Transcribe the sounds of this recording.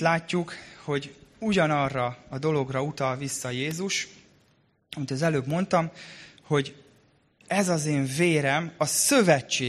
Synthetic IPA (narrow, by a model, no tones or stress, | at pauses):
laːcːukho̞ɟuɟɒnɒrːɒɒd̪o̞lo̞ɡrɒut̪ɒlvisːɒjeːzuʃ | ɒmit̪ɒzɛløːbmo̞nt̪ɒmho̞ɟ | ɛzɒzeːɱveːɾɛmɒsøvɛt͡ʃːeː